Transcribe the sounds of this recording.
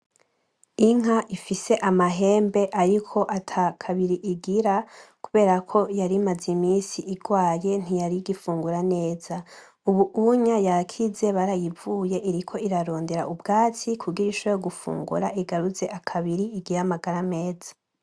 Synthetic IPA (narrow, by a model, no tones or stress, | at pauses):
iŋ̥aʔifise̞ʔamaɦe̞ːmbe̞ʔaɾikʰo̞ʔatʰakʰaβiɾiʔiɡiɾakuβe̞ːɾakʰo̞jaɾimazimiːsiʔiɡwaːje̞n̥ijaɾiɡifuːŋɡuɾane̞ːza | uβuʔuɲajakʰize̞βaɾajivuːje̞ʔiɾikʰo̞iɾaɾo̞ːnde̞ɾaʔubɡaːt͡sikʰuɡiɾiʃoojoɡufṵːŋɡṵɾaʔiɡaɾuze̞ʔakʰaβiɾiiɡiɾamaɡaɾame̞ːzḁ